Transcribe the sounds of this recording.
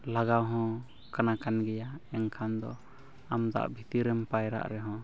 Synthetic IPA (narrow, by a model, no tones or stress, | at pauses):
laɡawɦɔ̃ | kanakanɡɛjaɛŋkʰand̪ɔ̰ | amd̪a̰ʔbʱit̪iɾɛmpajɾa̰ʔɾɛɦɔ̃